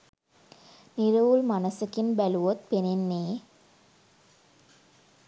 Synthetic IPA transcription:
niɾəʋulmanəsəkinbæluʋot̪̚penenːeː

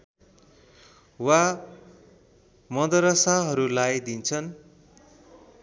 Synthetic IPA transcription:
wa | mʌd̪ʌɾʌsaɦʌɾulajd̪int͡sʰʌn

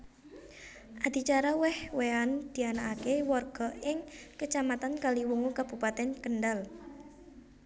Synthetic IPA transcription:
ʔad̪̥it͡ʃaɾawɛhweand̪̥i̤anaʔakewɔrɡ̥ɔ̤ɪŋkət͡ʃamat̪ankaliwuŋukab̥upat̪ɛnkənɖal

